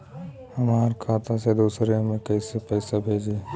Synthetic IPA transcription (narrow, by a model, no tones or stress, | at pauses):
hɐmaːɾkʰaːt̪ased̪uːsɾemẽkɐisepɛːsabʱeːd͡ʒeː